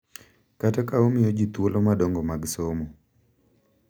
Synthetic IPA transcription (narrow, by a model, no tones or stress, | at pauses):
katakaomɪjɔd͡ʒit̪wolʔomadɔŋɡɔmaɡsomo